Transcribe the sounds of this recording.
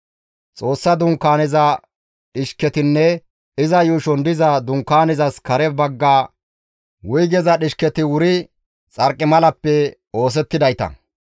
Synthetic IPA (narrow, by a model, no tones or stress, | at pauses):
t͡sʼo̞ːsːɐd̪ʊŋkːaːnɪzɐ | ɗɪʃkɛt̪ɪnːɛ | ɪzɐjuːʃɔnd̪ɪzɐd̪ʊŋkːaːnɪzɐskɐɾɛbɐɡːaː | wʊjɡɛzɐɗɪʃkɛt̪ɪwʊɾɪ | t͡sʼɐɾkʼːɪmɐlɐpːɛ | o̞ːs̬ɛt̪ːɪd̪ɐjt̪ɐ̰